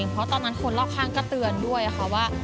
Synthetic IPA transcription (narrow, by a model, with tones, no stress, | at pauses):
ŋpʰɾɔ˦˥t̪ɔː˧nːa˦˥nkʰo˧nlaː˥˩w̚kʰaː˥˩ŋkɔ˥˩t̪ɯ˧əndu˥˩əjʔa˨˩xʰa˦˥waː˥˩